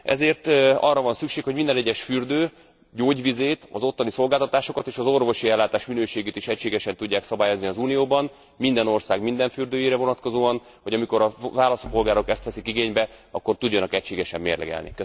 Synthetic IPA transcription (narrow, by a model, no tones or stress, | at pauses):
ɛ̰zeːrt̪ɒ̰rːɒvɒnsykʃeːkho̞ɟmind̪ɛnɛɟːɛʃfyrd̪øː | ɟoːɟʋizeːt̪ɒ̰zo̞t̪ːɒniso̞lɡaːlt̪ɒt̪aːʃo̞kɒt̪eːʃɒzo̞rvo̞ʃiɛlːaːt̪aːʃminøːʃeːɡeːt̪iʃɛcʃeːɡɛʃɛnt̪uɟːaːksɒbaːjo̞zniɒzuːnijoːbɒn | mind̪ɛno̞rsaːɡmind̪ɛɱfyrd̪øːjeːɾɛvo̞nɒt̪ko̞zoːɒn | ho̞ɟɒmiko̞ɾɒvaːlɒst̪po̞lɡaːɾo̞kɛst̪ʋɛsikiɡeːɲbɛɒ̰kːo̞rt̪uɟːɒnɒkɛcʃeːɡɛʃɛmːḛːrlɛ̰ɡɛ̰lnḭkøs